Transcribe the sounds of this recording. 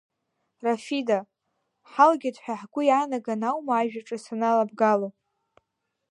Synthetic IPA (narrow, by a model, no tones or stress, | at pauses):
rafida | ħalɡʲadħʷᶣaħɡʷʊjanaɡanawmaːʒᶣaʈ͡ʂʼɨsanalabɡalopʼ